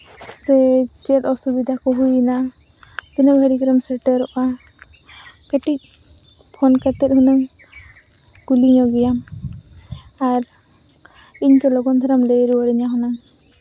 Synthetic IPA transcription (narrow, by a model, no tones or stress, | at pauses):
sɛt͡ʃɛtɔsud̪id̪akɔɦujina | t̪inɔɡʱəɽikɾamsɛʈəɾɔʔa | keʈik̚ | pʰɔnkat̪ɛt̪hunɯ | kuliŋɔɡijam | aɾ | iɲkɔlɔɡɔnd̪ʰʱɔɾamleɾuɔɾiɲaɦɔnaŋ